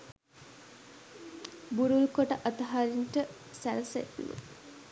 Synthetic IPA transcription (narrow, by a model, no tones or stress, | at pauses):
buɾulkoʈəʔat̪ɐɦaːɾinʈə | sælsḛt̪nṵ